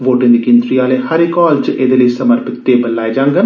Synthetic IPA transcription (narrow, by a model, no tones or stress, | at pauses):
ʋoːʈẽnd̪iːkɪ̃nd̪ɾiːaːlehəɾekːɔːlt͡ʃʔed̪eːləisəməɾpɪt̪ːeːbəlaːed͡ʒãːŋɡən